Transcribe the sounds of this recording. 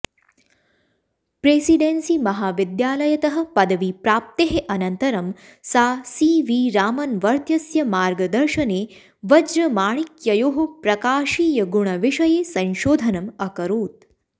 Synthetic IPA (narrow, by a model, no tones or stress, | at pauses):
pɾeːsiɖensimɐɦaːʋid̪jaːlɐjɐt̪ɐɦɐ̆pɐd̪ɐʋipɾaːp̚t̪eɦeʔɐnɐnt̪ɐɾɐm | saːsiːʋiːɾaːmɐnʋɐɾt̪jɐsjɐmaːɾɡɐd̪ɐɾʃɐneː | ʋɐd͡ʒɾɐmaːɳ̃ikjɐjoːɦɐpɾɐkaːʃiːjɐɡuɳ̃ɐʋiʂɐjeːsɐ̃nʃoːd̪ʱɐnɐmɐkɐɾoːt̪̚